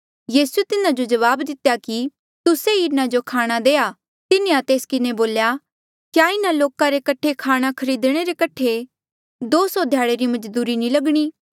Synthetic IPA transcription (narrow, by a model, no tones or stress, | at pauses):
jiːsuet̪ɪnãd͡ʒod͡ʒɐʋaːbd̪ɪt̪ejaki | t̪ʊseinad͡ʒokʰaːɽ̃ad̪eːa | t̪ɪneat̪eːskɪneboːlja | kjaɪnaloːkãɾekɐʈʰekʰaːɽ̃akʰɐɾiːd̪ɽ̃eɾekɐʈʰe | d̪oːsɔd̪ʱjaːɽeɾimɐd͡ʒd̪uːɾinĩlɐɡɽ̃iː